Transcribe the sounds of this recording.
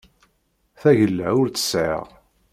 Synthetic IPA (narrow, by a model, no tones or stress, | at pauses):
θæʝəlːæʊɾt̪ə̥sʕə̰ʁ